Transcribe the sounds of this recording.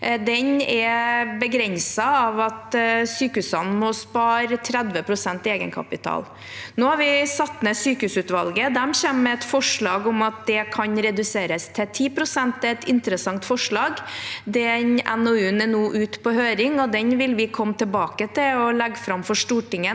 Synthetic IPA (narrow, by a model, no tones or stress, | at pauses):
d̪ɛnɛbəɡɾɛnsɑɑʋɑt̪syːkəʉːsənmɔspɑːɾt̪ʰɾɛd̪ʋəpʰɾʊsɛnt̪ɪeːɡə̰nkʰɑ̰pɪt̪ʰɑ̰ːl | noːhɑɾʋɪsɑt̪ːmɛsyːkəʉsʉːt̪ʋɑlɡəd̪æmɕɛmːɛɛt̪fɔʂɭɑːɡɔmɑt̪̚d̪ɛkʰɑɲɾɛd̪ʉseːɾəst̪ʰɛt̪ʰiːpɾʊsɛnt̪ɛt̪ɪnt̪əɾəsɑŋt̪fɔʂɭɑːɡd̪ɛnɛ̰nɔʉnɛnuːʔʉːt̪pʰɔhøːɾɪŋɔd̪ɛnʋɪlʋɪkʰɔmːt̪ʰɪlbɑːkət̪ʰɪɔlɛɡfɾɑmfɔʂʈuːʈɪŋːə